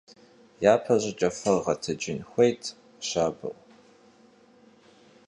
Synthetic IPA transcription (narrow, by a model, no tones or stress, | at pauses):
jaːpʰɐʑɐt͡ʃʼɐfɐʁɐtʰɐd͡ʒɪnxʷejtʰ | ɕaːbɨ̰ʔ